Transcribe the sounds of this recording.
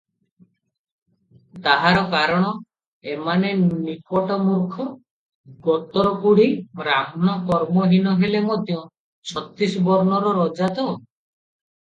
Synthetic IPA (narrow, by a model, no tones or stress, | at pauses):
t̪aɦaɾɔkaɾɔɽ̃ɔ | emanenikɔʈɔmuɾkʰɔ | ɡɔt̪ɔɾɔkuɽ̤iɾamnɔkɔɾmɔɦinɔɦelemot̪iɔ̃ | t͡ʃʰɔt̪isɔbɔɾɔnɔɾɔɾɔd͡ʒat̪ɔ